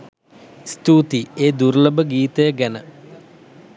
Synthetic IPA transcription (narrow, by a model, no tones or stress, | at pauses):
st̪uːt̪ieːd̪uɾləbəɡiːt̪əjəɡænə